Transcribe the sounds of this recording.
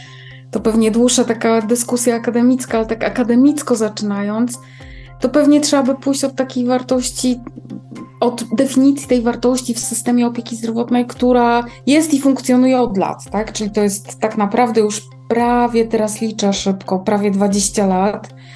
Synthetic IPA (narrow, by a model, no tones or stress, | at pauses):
t̪ɔpɛvɲɛd̪wuʂːat̪akad̪ɘskusʲjaːkad̪ɛmʲit̪skaalɛt̪akakad̪ɛmʲit̪skɔzat͡ʂɘnajɔnt̪s | t̪ɔpɛvɲɛtʂɛabɘpujɕt͡ɕɔt̪ːakʲejvaɾt̪ɔɕt͡ɕi | ɔd̪d̪ɛfʲiɲit̪sʲit̪ɛjvaɾt̪ɔɕt͡ɕifsɘst̪ɛmʲjɛɔpʲjekʲizd̪ɾɔvɔt̪nɛjkt̪uɾajɛst̪ifuŋkt̪sʲjɔnujɛɔd̪la̰t̪ːakt͡ʂɘlʲit̪ɔjɛst̪ːaknapɾavd̪ɛjuʂ | pɾavʲjɛt̪ɛɾaslʲit͡ʂaʂɘpkɔpɾavʲjɛd̪vad͡ʑeɕt͡ɕalat̪